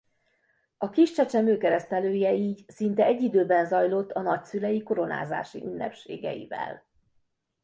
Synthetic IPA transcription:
ɒkiʃt͡ʃɛt͡ʃɛmøːkɛɾɛst̪ɛløːjɛiːɟsint̪ɛɛɟːid̪øːbɛnzɒjlo̞t̪ːɒnɒcsylɛjiko̞ɾo̞na̰ːza̰ːʃḭʔynːɛ̰pʃḛːɡɛ̰jḭvɛ̰l

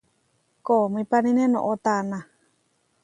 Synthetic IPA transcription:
komĩpanĩnẽnõ̰ʔot̪anã

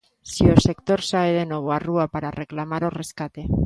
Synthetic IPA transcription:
siose̞kt̪o̞ɾsaeðenwe̞β̞oaruapaɾareklamaɾore̞skat̪e̞

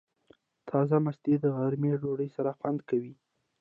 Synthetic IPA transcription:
t̪ʰɑzamasd̪ed̪əɣaɾmeɖoɽəjsaɾaxwand̪kawi

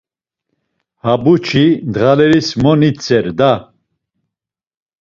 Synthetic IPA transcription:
habut͡ʃʰid̪ʁalɛɾismɔnit͡sʰɛɾd̪a

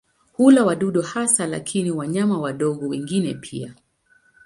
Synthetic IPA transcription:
hulawaɗuɗɔhasala̰kʰiniwaɲamawaɗɔɠɔwɛŋɡinɛpʰḭa̰

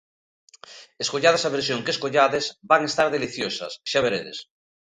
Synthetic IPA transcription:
eskoʎaðasaβeɾsjoŋkeskoʎaðezbaŋest̪aɾðeliθjosɐ̰sʃaβeɾeðḛs

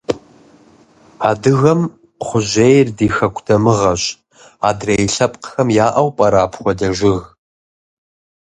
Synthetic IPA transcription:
aːdɨɣɐm | χʷʊʑejrdiːxɐkʷʰʼdʰɐmɨʁɐɕʼ | aːdrejɬɐpʼqxɐmjaːʔɐwpʼɐɾaːpʰxʷɔdɐʒʷɪɣ

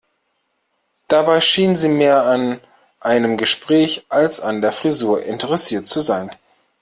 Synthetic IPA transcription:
d̥abaɪʃiːnənziːmeːɐan | ʔaɪnəmɡəʃpʁ̥ɛːçʔalsandeːɐfʁ̥izuːɐʔɪntəʁɛsiːɐtt͡suzaɪn

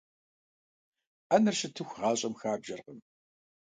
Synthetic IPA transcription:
ʔɐnɨrsɨtʰɨxʷʁɑːɕʼɐmxaːbʒɐrʁəm

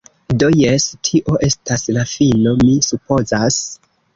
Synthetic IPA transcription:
dojestʰiʔo̞ʔe̞stʰaslafino̞misupo̞zas

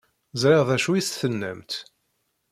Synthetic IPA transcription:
zɾɪʁðæʃuisθənːæ̰mt̪

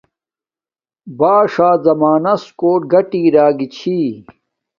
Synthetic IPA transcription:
baːʂaːzɐmaːnɐskoːʈ̚ɡɐʈiːɾaːɡit͡ɕʰi

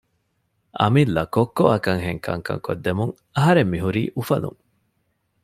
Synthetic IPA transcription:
ʔɐ̰milːɐkokːoʔɐkɐŋɦeŋkʰɐ̰ŋkɐ̰ŋko̰d̪ːemuŋ | ɐɦɐɾemːiɦuɾiːʔufɐlṵŋ

